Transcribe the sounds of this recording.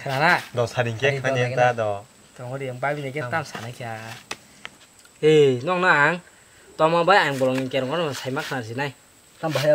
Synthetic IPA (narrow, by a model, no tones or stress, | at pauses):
kʰɾanadɔsaɾiŋkeanentadɔ | tɔŋɔɾiampabinakɛtamsa̰najkʰia | enɔŋnaaŋ | tɔmabajajŋbɔlɔŋinkɛɾɔŋɔɾɔnasajmakʰnazinaj | tambaɦj